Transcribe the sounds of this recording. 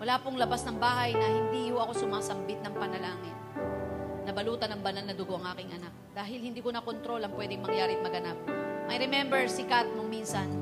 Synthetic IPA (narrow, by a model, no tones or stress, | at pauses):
wɐlaːpʊŋlɐbasnɐŋbaːɦɐjnɐhɪnd̪iːhoʔɐko̞sʊmaːsɐmbɪt̪̚nɐŋpɐnɐlaːŋɪt̪̚ | nɐbɐluːt̪ɐnɐŋbɐnanːɐd̪ʊɡo̞ʔɐŋʔaːkɪŋʔɐnak̚d̪̥aːɦɪlhɪnd̪iːkonɐkont̪ɾo̞lɐŋpwɛːd̪ɪŋmɐŋjaːɾɪʔt̪̚mɐɡɐnap̚mɐjɾɛmɛmbɛɹsɪkat̪̚moŋminsɐn